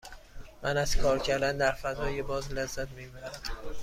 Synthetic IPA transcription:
mʔænæz̥kʰɒːɾcʰæɾd̪ænd̪æɾfæzɒːjebɒːzlæzːæt̪mibæɾæm

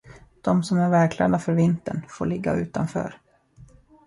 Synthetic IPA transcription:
d̪̥ɔmsɔmæɾvæɾkʰlɛ̰d̪afœɾvɪnt̪əɳfoːɭɪɡːa̰ʉ̟ːt̪anfœ̰ːɾ

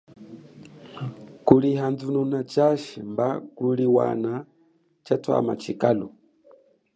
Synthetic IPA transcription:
kuliɦand͡zununat͡ʃaʃimbakuliwa̰na | t͡ʃatwa̰ma̰t͡ʃikalɔ

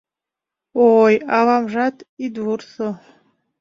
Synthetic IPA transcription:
ojavamʐatʰid̪wursɨ

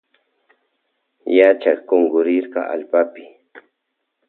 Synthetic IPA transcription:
jat͡ʃakkoŋɡʊɾɪɾkɑ̰ʔa̰lpapɪ

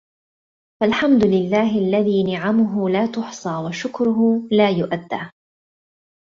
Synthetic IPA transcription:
falħamd̪ʊlɪlːaːɦʔalːaðiːnɪʕamʊɦʊlaːt̪ʊħsˤɑːwaʃʊkɾʊɦʊlaːjʊʔad̪ːa̰ː

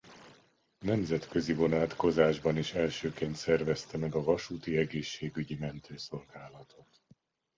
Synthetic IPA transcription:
nɛmzɛt̪kø̞zivo̞naːt̪ko̞zaːʒbɒniʃɛlʃøːkeːnt̪sɛrvɛst̪ɛmɛɡɒvɒʃuːt̪iɛɡeːʃːeːɡyɟimɛnt̪ʰøːso̞lɡaːlɒt̪ʰo̞t̪

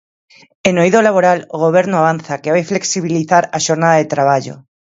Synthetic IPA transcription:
enojðolaβoɾaloɣoβ̞ɛɾnʊaβ̞anθakeβajfleksiβiliθaɾaʃoɾnaðaðet̪ɾaβ̞aʎo̰

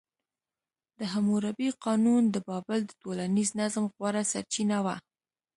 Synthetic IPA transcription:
d̪̥əɦamuɾabiqɑnund̪əbɑbɪld̪ətolaniznazmɣwaɾasa̰ɾt͡ʃinawa

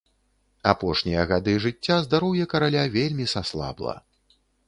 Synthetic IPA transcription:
apɔʂnʲijɐɣad̪ɨʐɨt͡sʲːazd̪aɾuwjɛkɐɾalʲavʲelʲmʲisaslˠa̰blˠɐ̰

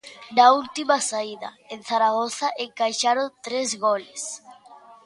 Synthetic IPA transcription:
nɐult̪imɐsaiðɐ̰ | enθaɾaɣ̞oθaʔeŋkajʃaɾot̪ɾezɣoles

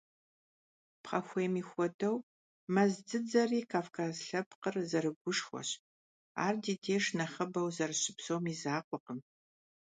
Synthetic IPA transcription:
pχɐxʷeːmiːxʷɔdɐw | mɐzd͡zɨd͡zɐriːkʰaːfkʰaːzɬɐpqərzɐɾɨɡʷʊʂxʷɔ̰ɕ | a̰ːrdiːdeːʂnɐχɐbɐwzɐrɕɪpsowmiːzaːqʷʼɔqəm

